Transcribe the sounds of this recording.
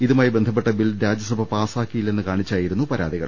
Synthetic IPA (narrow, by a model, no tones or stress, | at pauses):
iðumaːjbend̪ʱɐp̬ːe̞ʈːɐbilɾaːd͡ʑjɐsɐbʱɐpaːsaːkːijilːe̞nːɨkaːɳit͡ɕːaːjiɾunːupɐɾa̰ːd̪iɣɐ̰ɭ